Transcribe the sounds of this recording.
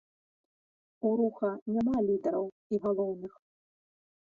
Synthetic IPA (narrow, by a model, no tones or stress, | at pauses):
uɾuxɐnʲamalʲid̪ɐɾɐw | iɣalˠɔwnɨx